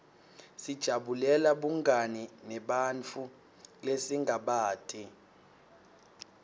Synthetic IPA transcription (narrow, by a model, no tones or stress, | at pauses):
sid̥ʒ̥ʱaɓulɛlaɓuŋɡʱaninɛɓant͡fʰu | lesiŋɡʱaɓaːtʰʼi